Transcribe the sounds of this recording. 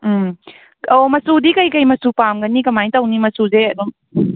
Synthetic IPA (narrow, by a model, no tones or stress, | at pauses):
m̩ | omɐsudikɐjkɐjmɐsupamɡɐnikɐmajtɐwnimɐsuzeɐdum